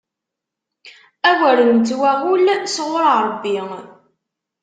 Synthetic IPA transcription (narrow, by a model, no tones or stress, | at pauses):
æwæɾənnt͡s̪wæʁulsʁʊɾɾˤbːi